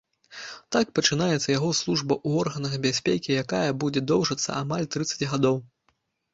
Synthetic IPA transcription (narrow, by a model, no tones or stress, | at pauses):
t̪ak̚pɐt͡ʂɨnajɛt̪sːɐjaɣɔslˠuʐbɐʔuɔrɣɐnɐɣɐbʲasʲpʲekʲijakajɐbud͡zʲɛd̪ɔwʐɐt̪sːɐ̰amalʲt̪ɾɨt̪sːɐ̥t͡sʲɣad̪ɔw